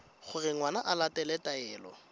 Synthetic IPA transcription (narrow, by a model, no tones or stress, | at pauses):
χʊrɪŋwanaʔalatʼɛlɛtʼaɛːlɔ̰